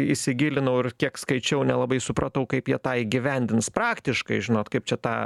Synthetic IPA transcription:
isʲɪɡʲiːlʲɪnɐʊɪrkʲiɛkskɐɪt͡ʃʲɛʊnʲɛlˠɐbɐɪsʊpɾɐt̪ɐʊkɐɪpjiɛt̪ɑːiɡʲɪʋʲɛnʲd̪ʲɪnspɾɑːkt̪ʲɪʃkɐɪʒʲɪnoːt̪kɐɪpt͡ʃʲɛt̪ɑ̰ː

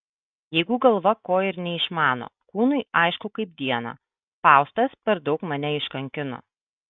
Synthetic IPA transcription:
jɛɪɡʊɡɐlˠʋɐkoːɪɾnʲɛɪʃmɑːno̰ːkuːnʊɪɐɪʃkʊkɐɪp̚d̪ʲiɛnɐ̰ | pɑˑʊst̪ɐspʲɛɾd̪ɒʊkmɐnʲɛɪʃkɐŋʲkʲɪno̰

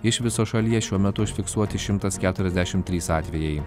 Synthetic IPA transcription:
ɪʃʋʲɪsoːʃɐlʲijɛʃʲuɔmʲɛt̪ʊɪʃʲfʲɪksuɔt̪ʲɪʃʲɪmt̪ɐskʲæːt̪ʊɾʲɛzd̪ʲæʃʲɪmt̪ʲɾʲiːsɑːt̪ʲʋʲɛjɛɪ

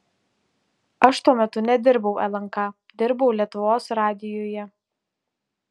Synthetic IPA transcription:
ɐʃt̪uɔmʲɛt̪ʊnʲɛd̪ʲɪɾbɐʊɛlˠɐŋkɑ | d̪ʲɪɾbɐʊlʲiɛt̪ʊʋoːsɾɑːd̪ʲɪjoːjɛ

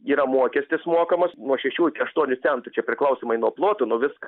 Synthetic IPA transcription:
iːɾɐmuɔkʲɛsʲt̪ʲɪsmuɔkɐmɐsnuɔʃʲɛʃʲuːɪkʲɪɐʃt̪uɔnʲʊt͡sʲɛnt̪ʊt͡ʃʲɛpʲɾʲɪklˠɐʊsʲimɐɪnuɔplˠoːt̪ʊnʊʋʲɪskɐ

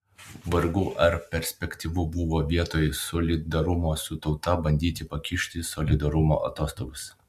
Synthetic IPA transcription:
ʋɐɾɡuːʔɐɾpʲɛɾʲsʲpʲɛkʲt̪ʲiːʋʊbʊʋoːʋʲiɛt̪oːjsɔlʲɪd̪ɐɾʊmoːsʊt̪ɒʊt̪ɐbɐnʲd̪ʲiːt̪ʲɪpɐkʲɪʃʲt̪ʲɪsɔlʲɪd̪ɐɾʊmo̰ːʔɐ̰t̪oːst̪oːɡʊs

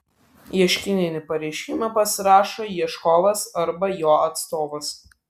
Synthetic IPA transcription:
iɛʃʲkʲɪnʲɪnʲɪpɐɾʲɛɪʃʲkʲɪmɐpɐsʲɪɾɑːʃojiɛʃkoːʋɐsɐɾbɐjoːɐt̪st̪oːʋɐs

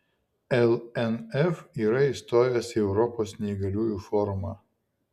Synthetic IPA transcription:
ɛlˠɛnɛfiːɾɐist̪oːjosɛʊɾɔpoːsnʲɛiɡɐlʲuːjuːfɔɾmɑ̰ː

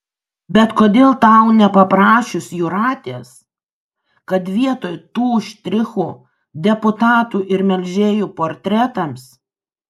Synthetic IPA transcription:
bʲɛt̪koːd̪ʲeːlˠt̪ɑʊnʲɛpɐpɾɑːʃʲʊsjʊɾɑːt̪ʲeːs | kɐt̪ʋʲiɛt̪oːjt̪uːʃʲt̪ʲɾʲɪxu | d̪ʲɛpʊt̪ɑːt̪uːʔɪɾmʲɛlʲʒʲeːjuːpoːɾʲt̪ʲɾʲɛt̪ɐms

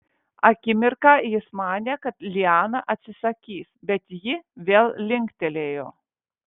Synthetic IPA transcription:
ɐkʲɪmʲɪɾkɑːjɪsmɑːnʲeːkɐt̪lʲɪɑːnɐʔɐt̪ʲsʲɪsɐkʲiːsbʲɛt̪jɪʋʲeːlˠlʲɪŋkt̪ʲɛlʲeːjoː

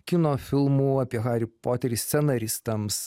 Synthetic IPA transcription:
kʲinɔfʲilˠmuɐpʲjɛɣaɾʲipɔt̪ʲɛɾʲsʲt̪sʲɛnɐɾʲist̪ɐms

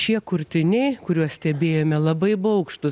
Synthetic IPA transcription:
ʃʲiɛkʊɾʲt̪ʲɪnʲɛɪkʊɾʲuɔssʲt̪ʲɛbʲeːjoːmʲɛlˠɐbɐɪbɐʊkʃt̪ʊ

